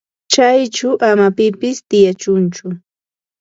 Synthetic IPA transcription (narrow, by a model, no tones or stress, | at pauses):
t͡ʃajt͡ʃʊʔamapɪpɪst̪ɪjat͡ʃʊnt͡ʃʊ